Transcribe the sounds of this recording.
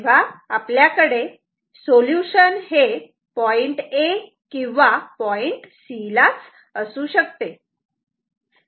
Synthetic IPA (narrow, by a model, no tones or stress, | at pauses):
ʋaapljakəɽe | soljuɕənɦe | pɔiɳʈe | kĩw̃ʋapɔiɳʈsilat͡s | əsuːɕəkt̪e